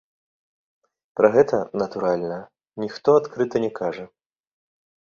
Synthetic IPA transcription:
pɾɐɣɛt̪ɐnɐt̪uɾalʲnɐ | nʲixt̪ɔat̪kɾɨt̪ɐnʲɛkʰaʐɐ

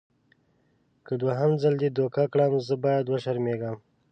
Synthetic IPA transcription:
kəd̪waɦamzald̪ed̪okakɽamzəbɑjad̪wəʃaɾmeɡam

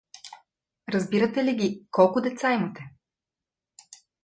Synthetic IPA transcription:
ɾɐzbiɾɐt̪ɛliɡʲikɔlˠkʊd̪ɛt̪saimət̪ɛ

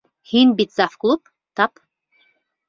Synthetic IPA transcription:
hinbit̪zafklˠup̚ | t̪ɑp

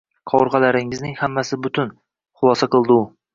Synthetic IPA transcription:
qʰɒɾʁalaɾɪŋɪznɪŋhamːasɪbʊt̪ʰʊn | χʊlˠɒsaqɨlˠd̪ɪʊ

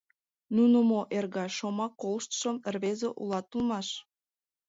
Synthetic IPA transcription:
nunəmoʔerɣɑʃomɑkːolʃt̪ʃəmərβezeʔulɑt̪ulˠmɑʃ

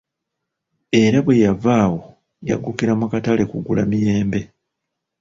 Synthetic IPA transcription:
e̞ɾaβwe̞javaːwo̞ | ja̰ɡukiɾamukatale̞kuɡula̰mije̞ːmbe̞

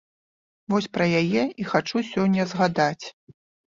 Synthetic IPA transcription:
vɔsʲpɾɐjajɛʔixat͡ʂusʲɔnʲːɐzɣad̪at͡sʲ

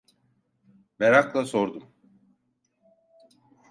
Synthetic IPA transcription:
beɾaklˠasoɾd̪um

